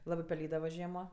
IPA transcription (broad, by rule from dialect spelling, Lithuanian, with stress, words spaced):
ˈlˠɑːbɜ pʲɛˈlʲiːdɐʋɐ ˈʒʲiɛmoː